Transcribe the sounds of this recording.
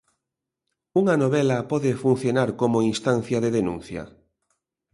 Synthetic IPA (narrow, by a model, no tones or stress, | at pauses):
uŋɐnoβɛlɐpɔðɪfun̟θjonaɾkomoinst̪anθjɐðeðenṵ̃nθjɐ̰